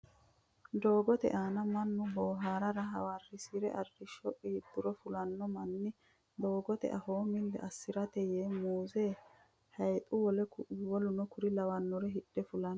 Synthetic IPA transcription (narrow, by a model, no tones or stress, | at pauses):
d̪o̞ːɡɔt̪ɛ̰ʔaːnɐmɐnːʊboːɦaːɾɐɾɐɦɐ̰warːɪsiɾɛʔɐrːɪʃɔʔid̪ːʊɾɔfʊlɐnːɔmɐnːɪ | d̪o̞ːɡɔt̪ɛ̰ʔɐhoːmɪlːɛ̰ʔɐsːɪɾɐt̪ɛjeːmuːzeː | hɐjt̪ʼʊwɔlɛwɔlʊnɔkʊɾɪlɐwɐnːɔɾɛɦɪɗːɛfʊlɐn